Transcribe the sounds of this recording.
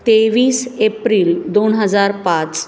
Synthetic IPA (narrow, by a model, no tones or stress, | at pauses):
t̪eʋiːsepɾiːld̪onɦəd͡zaɾpãt͡s